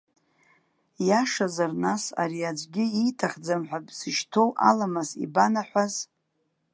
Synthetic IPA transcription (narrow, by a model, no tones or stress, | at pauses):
jaʂazarnasa̰ɾiad͡ʒʷʼɡʲɪitʰaχd͡zamħʷabʼsɨʃtʰo̞wʔa̰lamasḭbanaħʷaz